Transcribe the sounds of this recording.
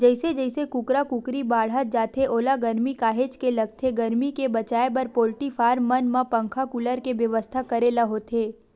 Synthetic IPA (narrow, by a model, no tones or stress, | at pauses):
d͡ʒɛɪsed͡ʒɛːɪsekʊkɾakʊkɾibaːɽ̤ət̪̚d͡ʒaːt̪ʰeʔoːlaɡɐɾmikaːɦeːd͡ʒkelɐɡ̚t̪ʰeɡɐɾmikebɐt͡ʃaːebɐɾpoːlʈifʰaːɾmɐnmãpɐ̃ŋkʰakʊləɾkeʋjɐʋəst̪ʰakɐɾelaɦoːt̪ʰeː